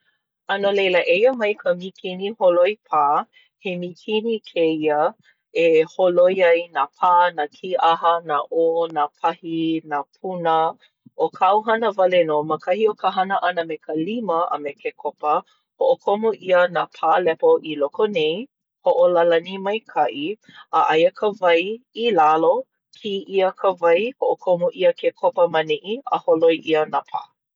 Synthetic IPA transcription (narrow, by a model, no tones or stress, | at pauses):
ɐnolejləʔejəmɐjkʰəmikʰiniholojpʰaː | hemikʰinikʰeiə | eholojɐjnapʰaːnakʰiʔaɦənaʔoːnapʰɐhinapʰunə | ʔokʰawɦɐnəvɐlɛnoməkʰɐhiokʰəɦɐnəʔɐnəmekʰəliməʔɐ̰mekʰekʰopə | hoʔokʰomoʔiənapʰaːlɛpoʔilokonej | hoʔolalɐnimɐjkʰɐʔi | aʔajəkʰəvɐjilalo | kʰiʔiəkʰəvɐjhoʔokʰomoʔiəkʰekʰopəmɐniʔiə̰holojʔiənapʰa̰ː